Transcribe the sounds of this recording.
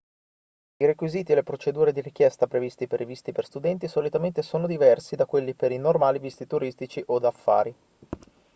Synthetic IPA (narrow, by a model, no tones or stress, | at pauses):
iɾekwiziːt̪ielepɾot͡ʃed̪uːɾed̪iɾik̟jɛst̪apɾevist̪iperivist̪iperst̪ud̪ɛnt̪isolit̪ament̪esoːnod̪ivɛrsid̪akwelːipeɾinormaːlivist̪it̪uɾist̪it͡ʃiʔod̪afːa̰ːɾi